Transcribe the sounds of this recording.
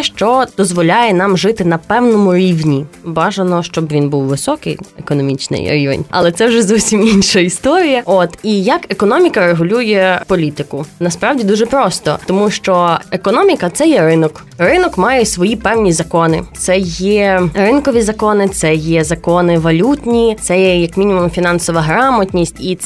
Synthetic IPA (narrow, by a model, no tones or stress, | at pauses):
ʃt͡ʃɔd̪̥ɔzʋɔlʲajɛnɑmʒɪt̪ɪnɐpɛwnɔmʊɾʲiwnʲibɑʒɐnɔʃt͡ʃɔbʋʲinbuwʋɪsɔkɪ̰jḛkɔnɔmʲit͡ʃnɪ̰jɾʲḭʋḛnʲɐ̰lˠɛt̪sɛwʒɛzɔwsʲiminʃɐist̪ɔɾʲijɐot̪ijɐkekɔnɔmʲikɐɾeɦʊlʲujɛpɔlʲit̪ɪkʊnɐspɾɑwdʲid̪uʒɛpɾɔst̪ɔt̪ɔmuʃt͡ʃɔekɔnɔmʲikɐt̪sɛjɛɾɪnɔk | rɪnɔkmɑjɛsʋɔjipɛwnʲizɐkɔnɪt̪sɛjɛrɪnkɔʋʲizɐkɔnɪt̪sɛjɛzɐkɔnɪʋɐlʲutʲnʲit̪sɛjɛjɐkmʲinʲimʊmfʲinɑnsɔʋɐɦɾɑmɐtʲnʲisʲtʲit̪